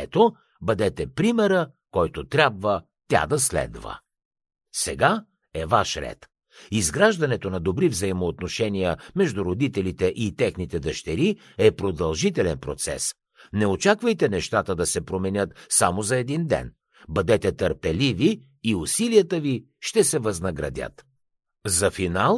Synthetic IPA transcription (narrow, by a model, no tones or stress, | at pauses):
ɛt̪o | bɐd̪ɛt̪ɛpɾimɛɾə | kɔjt̪ot̪ɾʲabvə | t̪ʲa̰d̪ɐslɛ̰d̪və̰ | sɛɡa | ɛvaʃɾɛ̰t̪ | izɡɾaʒd̪ɐnɛt̪onɐd̪obɾivzɐimoːt̪noʃɛnijəmɛʒd̪uɾod̪it̪ɛlit̪ɛʔit̪ɛxnit̪ɛd̪ɐʃt̪ɛɾi | ɛpɾod̪ɐlˠʒit̪ɛlɛnpɾot̪sɛ̰s | nɛot͡ʃakvəjt̪ɛnɛʃt̪at̪əd̪ɐsɛpɾomɛnʲət̪samozɐɛd̪ind̪ɛ̰n | bɐd̪ɛt̪ɛt̪əɾpɛliviː | usilijət̪əvi | ʃt̪ɛsɛvɐznɐɡɾɐ̰d̪ʲə̰t̪ | zɐfinalˠ